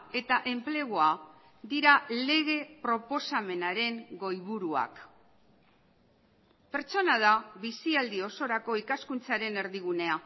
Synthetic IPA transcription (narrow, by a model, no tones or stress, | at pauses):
e̞t̪aʔe̞mple̞ɣ̞oa | d̪iɾale̞ɣ̞e̞pɾo̞po̞same̞naɾe̞ŋɡo̞jβ̞uɾua̰k | pe̞ɾt͡ʃo̞nað̞aβisiald̪io̞so̞ɾako̞ikaskunt͡saɾe̞ne̞ɾðiɣ̞une̞a